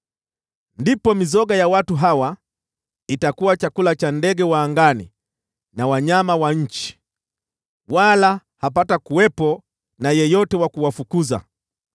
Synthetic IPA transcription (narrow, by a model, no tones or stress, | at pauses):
ndipɔmizɔɡajawatuɦawa | itakuwat͡ʃakulat͡ʃandɛɡɛwaːŋɡanḭ | nawaɲamawaɲ̩t͡ʃi̥ | walahapatakuwɛpɔ | najɛjɔtɛwakuwafukuza̰